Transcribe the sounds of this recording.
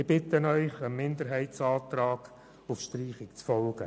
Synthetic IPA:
ɪb̥ɪtənœʏχəmːɪndəɾɦɛɪtsɑːt̪rɑːɡ̥ | ʊfʃtriːχɪkt͡sfɔlɡ̥ə̰

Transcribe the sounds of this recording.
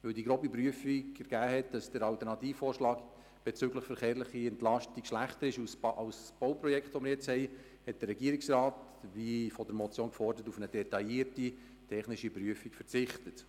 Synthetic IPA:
ʋɵldiɡɾoːbipɾyəfiɡɛɾɡ̥æːhɛt̚d̥ɑsd̥əɾɑwtəɾnɑtiːffoːɾʃlɑːk | b̥ɛt͡sʏɡləχfəɾχeːɾləχiɛntlɑʃtikʃlæχtəɾɪʃusʔɑwsb̥owpɾɔjɛkχtʋɔməɾjɛt͡shɛɪ | hɛt̚d̥ərːɛɡiːəɾiksrɑːt | ʋifɔdəɾmɔt͡sjoːnkfɔrdəɾətufənəd̥ɛtɑiːəti | tʰɛχnɪʃipɾyəfikfət͡sɪχtət

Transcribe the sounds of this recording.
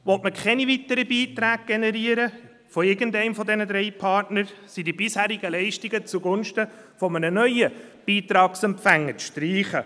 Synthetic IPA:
ʋɔtməkʰɛnivitəɾəbiːt̪ɾæːɡ̥̚ɡ̥enɛɾiəɾə | fɔɪɾɡ̥əntɛɪmfɔdɛnəd̪ɾɛɪpʰɑːɾtnəɾsidibɪshæːɾɪɡəlɛɪʃtiɡət͡suɡʊnʃtə | fɔmənənœʏəb̥iːtɾɑːksɛmpfæŋːəʃtɾiːχə

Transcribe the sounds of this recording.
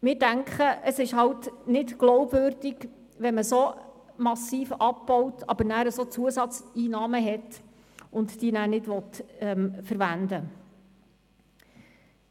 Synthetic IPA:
mɪːɾdæŋkʰχəʔəsɪʃhɑwtnɪtɡ̥lɔʊbvøːɾd̥ɪɡ | ʋɛməso | mɑsiːfɑp̚b̥ɔwtʰɑ̰bənæːɾəsot͡suəsɑt͡siːnɑːməɦɛt | ʊntd̥iːənæːnɪdʋɔtɛmfəɾvændə

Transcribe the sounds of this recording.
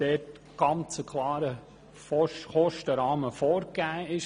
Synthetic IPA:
d̥ɛːt | ɡ̥ɑnt͡səkʰlɑːɾə | fɔχɔʃtəɾɑːməfoːɾɡæːɪʃ

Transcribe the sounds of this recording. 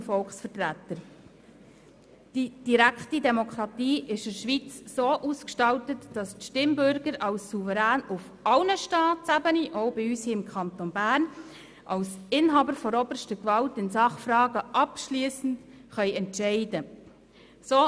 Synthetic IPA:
fɔlχsfərtɾætːəɾ | d̥id̥iɾæktidɛmokʰɾɑtiːʔɪʃɪʃʋit͡sːoːʔuskʃtɑltətd̥ɑstʃtɪmbʏɾɡəɾɑlsːuvəɾæːnʊf | ɑlnəʃtɑːtsæbəniʔoʊbɪyːshiːɪmkʰχɑnt̪onbæːrn | ʔɑlsɪnɦɑːbəɾfɔɾɔbərʃtəkʋɑltɪnsɑχfɾɑːɡəʔɑpʃliːəsn̩tχœʏɛntʃɛɪdə | soː

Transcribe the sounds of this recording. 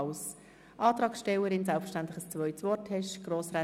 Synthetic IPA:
ʊs | ʔɑːt̪ɾɑːksʃtɛwəɾɪnsɛlfʃtænt̪lɪ̥xəst͡sʋœʏtsvɔɾtʰhɛʃɡ̥roːsrɛ

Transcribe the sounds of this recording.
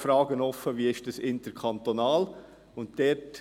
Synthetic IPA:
fɾɑːɡənɔfːəʋiːɪʃd̥ɑsɪntəɾkʰɑnt̪onɑːl | ʊntdɛt

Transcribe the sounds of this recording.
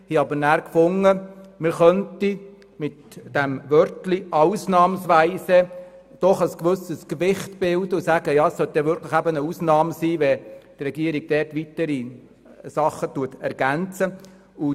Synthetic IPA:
hiɑbəɾnæːɾkfʊŋəmɪɾχœnti | mɪtd̥ɛmʋœɾtliʔɑʊsnɑːmsʋæɪsə | d̥ɔχəskʋɵsəskʋɪχtb̥ɪldəʊsæːɡəjɑːəssœt̚d̥ɛʋʏɾkʰlɪχæbənəusnɑːmsiːʋɛt̪rɛɡiəɾiɡ̚d̥ɛrtʋitəɾi | sɑχətuətɛɾɡ̥ænt͡sə | ʊ

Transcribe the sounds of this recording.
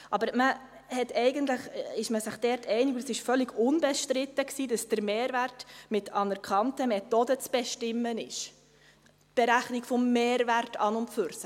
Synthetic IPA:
ʔɑbəɾmə | hɛtɛɪɡəntləχɪʃməsɪχd̥ɛɾtʰɛɪnɪɡʊdəsɪʃfœlːɪɡʊnbɛʃtɾɪtəksiːdɑsd̥əɾmeːɾværtmɪtɑnəɾkχɑntəmɛtɔdət͡sb̥ɛʃtɪmːənɪʃ | tb̥ɛɾæχnɪkfɔmːeːɾværtʰɑ̰nʊntfʏɾsə

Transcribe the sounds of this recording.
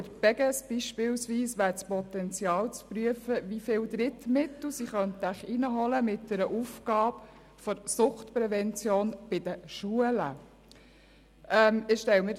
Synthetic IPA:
əɾbɛɡɛsb̥iʃpɪːlsʋiːsʋæːɾt͡spɔt̪ɛnt͡sjɑːlt͡spɾyəfəʋifɪːld̪ɾɪtmɪt̪ːlusiχœnt̪æχinəɦɔləmɪt̚d̥ɛɾəʔufɡ̥ɑːb | fɔɾsʊχtpɾɛvɛnt͡sjoːnb̥ɪd̥̪əʃuələ̰ | ʔɛmɪʃtɛwmə

